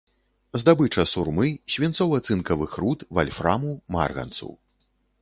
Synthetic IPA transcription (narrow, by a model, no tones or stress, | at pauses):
zd̪abɨt͡ʂɐsurmɨɕʲvʲint̪sɔwat̪sɨnkɐvɨxrut̪valʲfɾa̰muma̰rɣɐ̰nt̪sṵw